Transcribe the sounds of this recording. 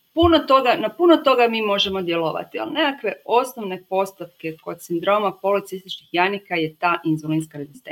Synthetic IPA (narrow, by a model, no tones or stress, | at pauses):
punot̪o̞ɡanapunot̪o̞ɡamiːmo̞ʒe̞mo̞d̪jeloʋa̰t̪ia̰lnekakʋe̞o̞snoʋne̞po̞st̪opke̞ko̞d̪sind̪ɾo̞mapo̞lit̪sist̪it͡ʃnixjanikaje̞t̪aːʔinzolinskaɾezist̪e